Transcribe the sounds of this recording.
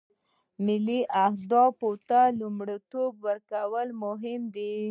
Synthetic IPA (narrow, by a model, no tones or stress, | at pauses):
mɪliʔahd̪ɑpot̪alumɽit̪obwəɾkawəlmʊɦɪmd̪i